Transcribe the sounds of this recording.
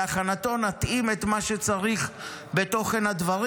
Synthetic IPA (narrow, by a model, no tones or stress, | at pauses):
aχanat̪o̞nat̪ʔimet̪maʃet͡saʁiχ | be̞t̪o̞χe̞nhad̪vaʁ